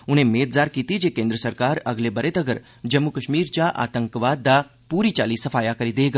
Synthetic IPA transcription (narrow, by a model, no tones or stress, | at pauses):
ʊn̤ɦẽmeːt̪zaːɾkiːt̪id͡ʒeːkẽːnd̪ɾəsɐɾkaːɾɐɡlebɐɾet̪ɐɡəɾ | d͡ʒɐmːukɐʃmiːɾt͡ʃaʔa̰ːt̪ə̃ŋkʋaːd̪ːa | puːɾit͡ʃaːlisɐfʰaːjakɐɾid̪eːɡaː